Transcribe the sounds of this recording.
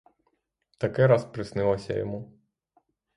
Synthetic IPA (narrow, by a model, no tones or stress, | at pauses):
t̪ɐkɛɾɑspɾɪsnɪlˠɐsʲɐ̰jɔ̰mu